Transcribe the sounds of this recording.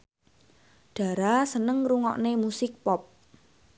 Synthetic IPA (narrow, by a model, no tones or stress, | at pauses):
ɖ̥ä̤ɾasənəŋruŋɔ̰ʔnemusɪk̚pɔp̚